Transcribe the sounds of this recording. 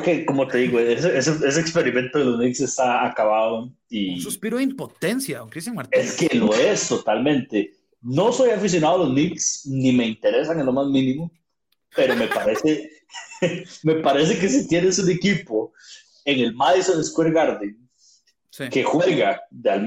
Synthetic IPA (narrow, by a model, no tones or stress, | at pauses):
keko̞mot̪e̞ðiɣoeseesees̬eːkspe̞ɾimẽ̞nt̪oðelo̞znikse̞st̪aakaβaðo | ipiɾoimpot̪ensjaeskeloest̪o̞t̪almẽ̞nt̪e̞ | no̞so̞jafis̬jo̞naðoalo̞zniksnime̞int̪e̞ɾe̞saŋe̞nlo̞mazmĩnimo | pe̞ɾome̞paɾese | me̞paɾe̞s̬e̞ke̞s̬it̪jenesune̞kipo | eŋe̞lmaðisoneskwiɾɣaɾðiŋ | ke̞xweɣaðeal